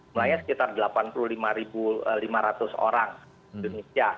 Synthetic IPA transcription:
d͡ʒumulaɲasə̥kit̪ardəlapanpululimaɾibulimaɾat̪ʊso̰ɾaŋ | indonisia

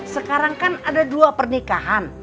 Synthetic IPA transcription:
səkaɾaŋkanadaduapərnikaɦan

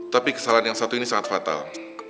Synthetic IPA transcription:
t̪apikə̥salanjaŋsat̪uinisaŋat̪fat̪a̰l

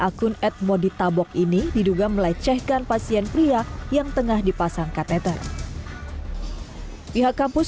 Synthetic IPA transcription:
ʔakʊnɛt̪̚modit̪abɔk̚inididuɡaməlat͡ʃɛhkanpasiɛnpɾiajaŋt̪əŋahdipasaŋkat̪ɛt̪ər | piɦakːampʊs

